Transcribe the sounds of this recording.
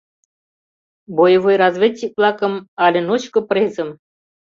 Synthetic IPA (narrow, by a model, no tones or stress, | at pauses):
bojvojɾazvʲet͡ɕʲːik̚plˠɑkɤ̆mɑlʲɘ̆not͡ɕkŏprʲezʲə̆m